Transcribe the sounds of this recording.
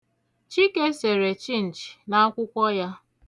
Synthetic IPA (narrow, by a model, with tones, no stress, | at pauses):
t͡ʃi˦ke˦se˨ɾe˨t͡ʃi˦n̩˨t͡ʃi̥˨na˦a˦kʷʊ˦kʷɔ˦ja˦